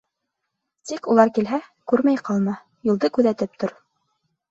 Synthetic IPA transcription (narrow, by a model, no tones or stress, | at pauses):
t̪ikulˠɑɾkilɦækʉɾmæjqɑlˠmɑ | jŏlˠd̪ɤkʉðæt̪ɘp̚t̪oɾ